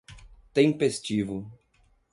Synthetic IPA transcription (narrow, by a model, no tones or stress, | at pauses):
t̪ẽmpest͡ʃivʊ